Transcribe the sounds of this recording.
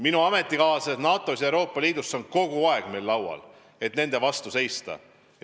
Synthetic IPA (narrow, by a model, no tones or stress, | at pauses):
minuɑme̞t̪ːˑikɑːsenɑːt̪ˑːosjewɾo̞ːpˑːɑliːd̪usːo̞nko̞ɡ̥uɑe̞ɡ̥me̞jlːɑwwɑ̰l | e̞t̪ne̞nd̪e̞vɑst̪use̞jst̪ɑ̰